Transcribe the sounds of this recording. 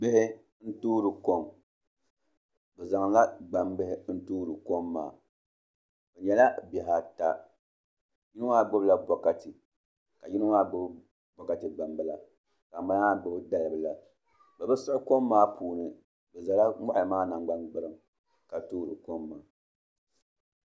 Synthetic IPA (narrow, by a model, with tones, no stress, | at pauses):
bɪ˦hɪ˦ | n̩˦tuː˦ɾɨ˨ko˦m | bɛ˨za˨ŋla˦ɡ͡ba˨mbɨ˦hɪ˦n̩˦tuː˦ɾɨ˨ko˦mːa̰ː˨ | bɛ˨ɲɛ˨la˦bɛ˨ɦa˨ta˦ | ji˦nɨ˦ŋa˦˨ɡ͡bo˦bɨ˦la˦bɔ˨ka˨tɨ˨ | ka˨ji˦nɨ˦ŋa˦ɡ͡bo˦b | bɔ˨ka˨tɨ˨ɡ͡ba˨mbɨ˦la˨ | ka˨ba˨˦n˦a˦bɨ˦bɨ˦da˦lɨ˨bɨ˨la˨ | bɨ˨bɨ˦sɨ˦ʊ˦ko˦mːaː˦pʰuː˨nɨ˨ | bɛ˨za˨la˦mɔ˦ʔɨ˨maː˦na˨ŋɡ͡ba˦nɡ͡bɨ˦ɾɨ˦˨m | ka˨tuː˦ɾɨ˨ko˦mːaː˨